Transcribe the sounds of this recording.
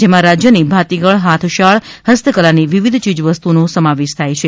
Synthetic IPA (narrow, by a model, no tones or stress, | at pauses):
d͡ʒemãɾad͡ʒjənibʱat̪iɡəɭɦat̪ʰʃaɭɦəst̪ʰəkəlaniʋiʋid̪ʱt͡ʃid͡ʒʋəst̪unosəmaʋeʃt̪ʰajt͡ʃʰe